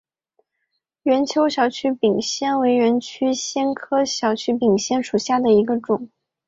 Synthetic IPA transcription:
ɥɛ˧˥nt͡ɕʰjo˧˥ʊɕjɑ˧˩ʊt͡ɕʰy˥pi˨˩ŋɕjɛ˥˩nwe˧˥ɪɥɛ˧˥nt͡ɕʰy˥ɕjɛ˥nkʰɤ˥ɕjɑ˨˧˩ʊt͡ɕʰy˥pi˨˩ŋɕjɛ˥nʂu˨˩ɕja˥˩d̪ə˩i˧˥ɡə˧ʈ͡ʂʊ˨˩˦ŋ

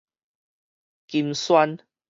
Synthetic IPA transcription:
ki˧mswa˦n

